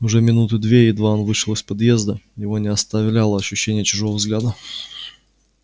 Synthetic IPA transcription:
ʊʐɛmʲɪnut̪ɨd̪vʲeɪd̪vanvɨʂɨlˠəsʲpɐd̪jezd̪əjɪvo̞nʲɪɐst̪ɐvlʲalˠəɐɕːʉɕːenʲɪjət͡ɕʊʐovəvzɡlʲæd̪ə

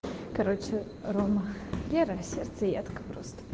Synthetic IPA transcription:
kɐɾot͡ɕɪ | ɾoməlʲeɾəsʲert̪səjat̪kə̥pɾo̰st̪ə̥

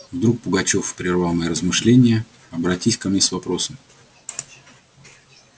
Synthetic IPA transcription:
vd̪ɾuk̚pʊɡɐt͡ɕo̞fpɾʲɪrvalˠnəjəɾəzmɨʂlʲenʲɪjə | ɐbɾɐtʲisʲkɐmnʲesvɐpɾo̞səm

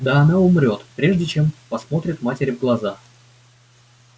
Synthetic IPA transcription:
d̪aɐnaʊmɾʲo̞t̪pɾʲe̞ʐdʲɪt͡ɕe̞mpɐsmo̞t̪ɾʲɪt̪matʲɪɾʲɪvɡlˠɐza

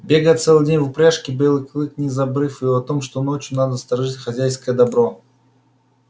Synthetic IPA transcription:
bʲe̞ɡəjət̪sɛlˠɨdʲenʲvʊpɾʲaʂkʲɪbəɪlˠɨkʲlˠɨknʲɪzɐbɾɨfɨjoɐt̪omʂt̪onot͡ɕjʊnad̪əst̪ɾɐʐɨtʲxɐzʲæjskəjəd̪ɐbɾo

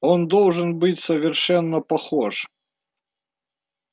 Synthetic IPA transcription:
ond̪olˠʐɨnbɨtʲsəvʲɪrʂɛnːəpɐxoʂ

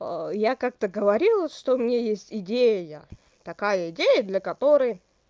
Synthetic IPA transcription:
əjakak̚t̪əɡəvɐɾʲilˠʂt̪oʊmʲnʲejesʲtʲɪdʲejəja | t̪ɐkajəɪdʲejəd̪lʲəkɐt̪o̞ɾəj

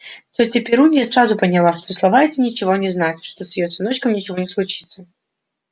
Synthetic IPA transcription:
sʲotʲɪpʲɪɾunʲdʲɪjəsɾazʊpənʲɪlˠaʂt̪o̞slˠɐvaɛtʲɪnʲɪt͡ɕɪvo̞nʲɪznatʲʂt̪o̞sjɪjot̪ʲɪno̞t͡ɕkəmnʲɪt͡ɕɪvo̞nʲɪslˠʊt͡ɕi̥t̪sə

